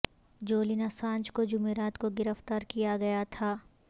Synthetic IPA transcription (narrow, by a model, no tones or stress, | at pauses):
d͡ʒoːlinasãːnd͡ʒkod͡ʒʊmeːɾaːt̪koɡɪɾəft̪aːɾkijaɡɐjat̪ʰaː